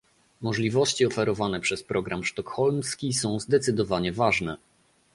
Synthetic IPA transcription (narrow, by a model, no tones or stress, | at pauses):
mɔʐlʲivɔɕt͡ɕiɔfɛɾɔvanɛpʂɛspɾɔɡɾʔamʂt̪ɔkxɔlmskʲisɔ̃w̃zd̪ɛt̪sɘd̪ɔvaɲɛvaʐnɛ